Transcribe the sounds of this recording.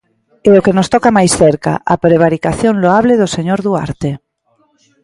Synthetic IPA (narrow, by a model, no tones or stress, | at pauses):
eokenost̪ɔkamajsθeɾka̰ʔapɾeβ̞aɾikaθjoŋloaβleðoseɲoɾðua̰ɾt̪e